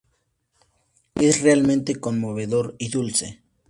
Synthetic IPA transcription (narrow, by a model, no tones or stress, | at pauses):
esrealmẽnt̪ekonmoβeðoɾiðulsḛ